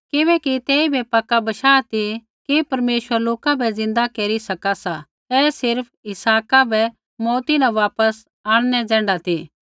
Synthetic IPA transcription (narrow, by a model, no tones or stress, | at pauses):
kɪbɛːkit̪eːibʱɛpɐkːabɐʃaːt̪i | kipɐɾmeːʃwəɾloːkabʱɛd͡zɪ̃nd̪akeːɾisɐkasa | ɛːsɪɾpʰɪsaːkabʱɛ | mɔːt̪inãʋaːpəs | aːɽ̃nɛd͡zɛ̃ːɳɖat̪ʰi